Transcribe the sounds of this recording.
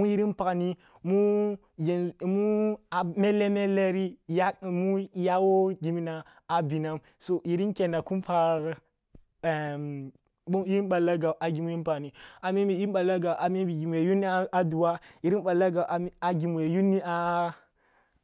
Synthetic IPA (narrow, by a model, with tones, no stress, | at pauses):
mu˦i˦ɾi˦npa˨kni˦ | mu˦ | jnmu˦a˨me˦le˦me˦le˦ɾi˦˨ja˦˨mu˦ja˦wo˦ɡi˨mi˦naː˨ | bi˨na˦m | so˨ʔi˨ɾi˦nkʲe˨na˨ku˦mpa˨ | u˦i˦ɾi˦nɓa˨la˦ɡa˨ʔa˨ɡi˨mu˦i˦pa˨ni˨a˨mi˦mi˨ji˦nɓa˨la˦ɡa˨ʔa˨mi˦bi˨ɡi˨mu˨je˨ju˦ni˦a˨du˨wa˦i˨ɾi˦nɓa˨la˦ɡa˨ʔa˨˦a˨ɡi˨mu˨je˨ju˦nːi˦a˦